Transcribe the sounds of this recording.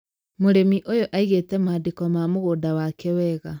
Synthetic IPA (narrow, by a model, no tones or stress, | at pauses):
moɾemiʔojoʔaiɣetɛmaːdekɔmamoɣoːdawakɛwɛɣa